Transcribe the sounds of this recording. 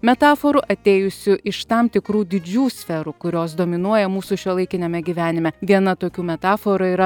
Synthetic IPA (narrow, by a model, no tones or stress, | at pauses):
mʲɛt̪ɑːfoɾʊʔɐt̪ʲeːjʊsʲʊʔɪʃt̪ɐmt̪ʲɪkɾuːd̪ʲɪd͡ʒʲuːsʲfʲɛɾukʊɾʲoːsd̪oːmʲɪnuɔjɛmuːsuʃʲuɛlˠɐɪkʲɪnʲɛmʲɛɡʲiːʋʲæːnʲɪmʲɛʋʲiɛnɐt̪oːkʲuːmʲɛt̪ɑːfoɾɐiːɾɐ